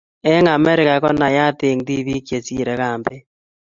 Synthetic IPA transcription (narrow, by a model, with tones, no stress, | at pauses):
ɛ˦ŋa˨me˦ɾe˨ɣa˨ɣɔ˦na˨ja˦te˨ŋdi˦βi˦kje˨si˦ɾɛ˨ɣaː˨mbe˦